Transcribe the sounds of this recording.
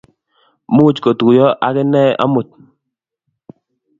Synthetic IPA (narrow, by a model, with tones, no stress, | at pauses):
mu˦˨t͡ʃko˨tku˨jɔ˦ʔa˦kɛ˦nɛ˦ʔa̰˦mu˨t̚